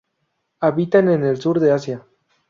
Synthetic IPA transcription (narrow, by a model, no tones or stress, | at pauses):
aβit̪anenelsuɾðeasja